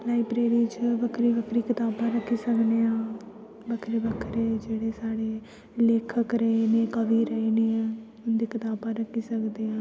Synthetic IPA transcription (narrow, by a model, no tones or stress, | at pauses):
laːiːpɾeːɾit͡ʃbəkʰɾiːbəkʰɾiːkɪt̪aːbãːɾəkʰːiːsəkneːãː | bəkʰɾeːbəkʰɾeːd͡ʒeːɽeːsaːɽeː | leːkʰəkɾəineːkəʋiːɾəiːneːɛ̃ː | ʊnd̪iːkɪt̪aːbãːɾəkʰːiːsəkd̪eːãː